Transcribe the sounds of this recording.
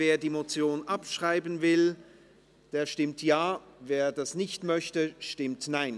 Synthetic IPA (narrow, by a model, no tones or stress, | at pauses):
veːɐdiːmot͡sjoːnʔapʃʁ̥aɪbənvɪl | d̥eːɐʃtɪmtʰjaːveːɐdasnɪçtmœçtəʃtɪmtnaɪn